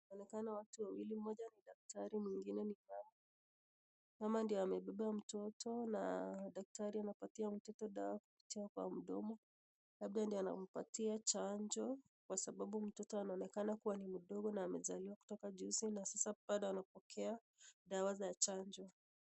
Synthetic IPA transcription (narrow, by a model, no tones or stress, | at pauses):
aɔnɛkanawatuwawilim̩mɔʄaniɗak̚tʰaɾimiŋɡinɛnimaja | kamandiɔamɛɓɛɓam̩tɔtɔnaɗak̚taɾianapatiam̩tɔtɔɗawaku̥pi̥tiakwa̰m̩ɗɔmɔ | laɓ̚ɗandiana̰m̩patiat͡ʃaɲd͡ʒɔ | kwasaɓaɓum̩tɔtɔanaɔnɛkanakuwanim̩ɗɔɠɔnaːmɛzaliwaku̥tɔkaʄuzinasasaɓaɗaanapɔkʰɛa | ɗawazat͡ʃaɲd͡ʒɔ